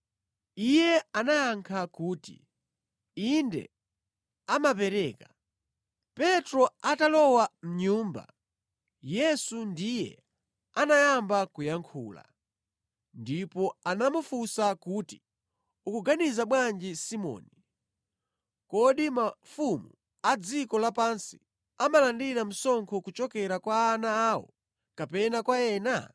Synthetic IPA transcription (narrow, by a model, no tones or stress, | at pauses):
ijɛanajaŋkʰakuːtḭ | indɛ̰ | amapɛɾɛːka | pɛtɾɔatalɔwam̩ɲuːmba̰ | jɛsundijɛ̰ | anajambakujaŋkʰuːla̰ | ndipɔanamufusakuːti | ukuɡanizaɓwand͡ʒisimɔ̰ːni | kɔɗimafumu | ad͡zikɔlapansi̥ | amalandiɾam̩sɔŋkʰɔkut͡ʃɔkɛɾakwaːnaːwɔ̰ | kapɛnakwaɛːna